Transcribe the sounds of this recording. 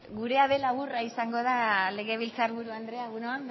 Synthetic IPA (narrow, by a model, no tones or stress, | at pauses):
ɡuɾe̞aβe̞laβuraisaŋɡo̞ðale̞ɣe̞βilt͡saɾβuɾuand̪ɾe̞aɣunoam